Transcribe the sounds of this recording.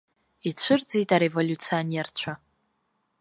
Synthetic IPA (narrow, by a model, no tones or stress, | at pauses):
it͡ɕʷʰɨrd͡zijtʼaɾe̞vo̞lʲut͡sʰionert͡ɕʷʰa